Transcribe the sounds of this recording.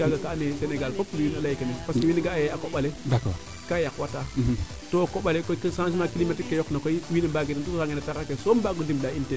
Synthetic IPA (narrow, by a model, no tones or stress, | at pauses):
aɡakaneseneɡalkopːulinalajikanipaskewiniɡajeakoɓaledak | kajakwata | tokoɓalekoikəsãns̬imakilimatikːejoknakoiwinibaɡetintukkaŋɡenataɾakesombaɡundimɗainte